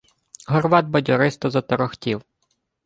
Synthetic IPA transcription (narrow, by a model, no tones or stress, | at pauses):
ɦɔrʋɑd̪̚bɔdʲɔɾɪst̪ɔzɐt̪ɔɾɔxtʲiw